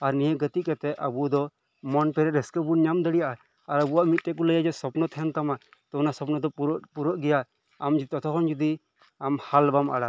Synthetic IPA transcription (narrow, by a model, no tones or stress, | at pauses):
aɾnijəɡət̪iʔ̪̚kɛt̪ɛʔʔəbud̪ɔ | mɔnpɛɾɛɾɛskəbuɲamd̪əɽijaʔa | aɾəbuaʔmit̪̚t̪ɛkɔləjad͡ʒɛsɔpnɔt̪ʰɛnt̪ama | t̪ɔnasɔpnɔd̪ɔpuɾɔʔɡɛja | amd͡ʒit̪ɔt̪ʰɔkʰɔnd͡ʒud̪i | amhalbamʔa̰ɽa